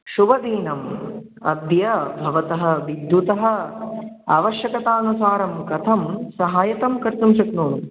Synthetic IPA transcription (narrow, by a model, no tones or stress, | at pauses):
ʃuʋɐd̪iːnɐm | ɐ̰d̪jɐbʱɐʋɐt̪ɐɦɐ̆ʋid̪jut̪ɐɦɐ̆ | a̰ːʋɐʃjɐkɐt̪aːnusaːɾɐmkɐt̪ʰɐmsɐɦaːjɐt̪ɐmkɐɾt̪umʃɐknuːm